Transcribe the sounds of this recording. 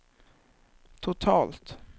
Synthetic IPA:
t̪ʰʊt̪ʰɑːlt̪

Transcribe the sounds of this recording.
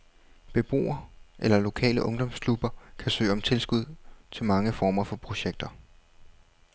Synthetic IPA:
b̥e̝b̥ʁo̝̰ːɐʔelɐlo̝kʰɛ̰ːləʔɔ̽ŋd̥ɒ̽m̰skʰlub̥ɐkʰæsø̰ːɒ̽mt͡sʰe̝lsɡ̥uð̞̰ˠt͡sʰe̝lmɑ̈ŋəfɒːmɐfɒ̽pʰʁo̝ɕeɡ̥̚d̥ɐ

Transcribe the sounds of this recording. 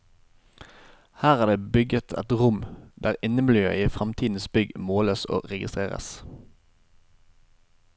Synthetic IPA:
hæːʁɑːd̪eːbʏɡət̪ʰɛ̰t̪ʁʊmd̪æːʁɪnəblyːœ̰əfʁɑmt̪ʰiːd̪n̩sbʏɡmoːləso̰ːʁɛɡɪst̪ʁeːʁə̰s

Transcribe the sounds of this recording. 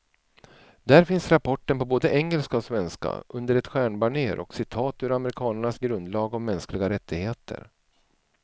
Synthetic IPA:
d̪̥æɾfɪnsɾapʰɔʈːənpɔboːd̪əʔɛŋːɛlskaɔsvɛnska̰ʔɵnd̪əɾɛt̪ɧæːɳbaɳeːɾɔ̰ksɪt̪ʰɑːt̪ɵɾamɛɾɪkʰɑːnəɳasɡɾɵnd̪lɑːɡɔmːɛnsklɪɡaɾɛt̪ʰːɪɡheːt̪ʰə̰ɾ

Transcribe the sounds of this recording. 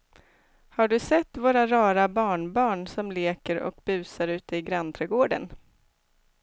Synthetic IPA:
haɖɵsɛt̪ːvoːɾaɾɑːɾabɑːɳbɑːɳsɔmleːkəɾɔ̰kbʉ̟ːsaɾʉ̟ːt̪əɪɡɾant̪ʰɾɛɡoːɖə̰n

